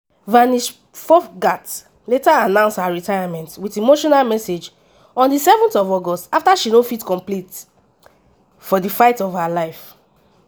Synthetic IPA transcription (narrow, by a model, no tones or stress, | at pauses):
vãniʃ | fɔfɡat | letaːnãʊ̃nsthaɹitajamɛ̃ntwitimoʃɔnalmɛsed͡ʒ | ɔ̃ndisɛvɔ̃ntɔvɔɡɔstaftaʃinõfitkɔ̃mplit | fɔdifaɪtɔvhalaɪf